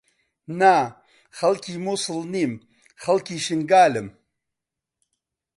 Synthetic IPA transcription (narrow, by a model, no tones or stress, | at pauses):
na | xɐlkiːmusɨlniːm | xɐlkiʃiŋɡaːlɪm